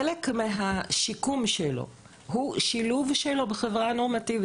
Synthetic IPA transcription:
elekmeɦaʃikumʃelo̰ | ɦuʃiluvʃelo̞beχevʁano̞ʁmativi

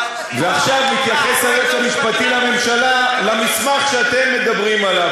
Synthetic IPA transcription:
veaχʃavnit̪jaχe̞sajotamiʃpat̪ilame̞mʃalalamismaχʃeat̪e̞mːe̞d̪abʁimalav

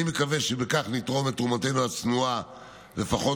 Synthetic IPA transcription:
imekaveʃebekaχnit̪ʁo̞met̪umate̞nuat͡snua | lefaχo̞

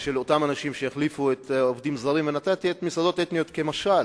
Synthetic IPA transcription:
ʃe̞lot̪amanaʃimʃejeχlifuet̪o̞vd̪imzaʁimvenat̪at̪iet̪misado̞t̪et̪nijo̞t̪kemaʃal

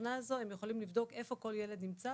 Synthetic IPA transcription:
nazo̞emjeχolimlivd̪o̞ke̞fo̞ko̞ljele̞d̪nimt͡sa

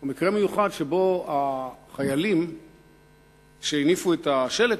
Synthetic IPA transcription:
emikʁeme̞juχad̪ʃebo̞aχajalim | ʃeinifuet̪aʃe̞le

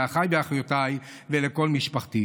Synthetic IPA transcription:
aχajbeaχjotaj | veleko̞lmiʃpaχt̪i

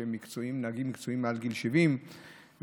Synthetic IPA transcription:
emːikt͡soimnaɡimːikt͡soimːealɡilʃevim

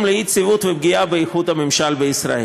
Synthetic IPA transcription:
mleit͡sivut̪veb̚ɡiabeiχud̪hamimʃalbeisɾa̰ʔe

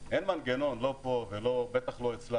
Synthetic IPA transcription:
ʔenmanɡeno̞nlo̞povelobet̪aχlo̞et͡sla

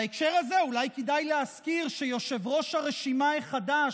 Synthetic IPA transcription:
aekʃe̞ʁaze̞ulajkid̪ajleaskiʁʃejo̞ʃe̞vʁo̞ʃhaʁeʃimaiχada

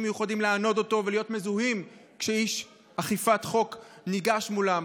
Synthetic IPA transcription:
mejuχadimleano̞do̞to̞velijo̞tme̞zuɦimkʃeiʃ | aχifatχo̞kniɡaʃmulam

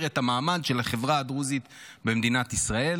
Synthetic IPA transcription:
ʁethamaːmadʃe̞laχevʁaadʁuzit̪ | be̞md̪inat̪isʁae̞l

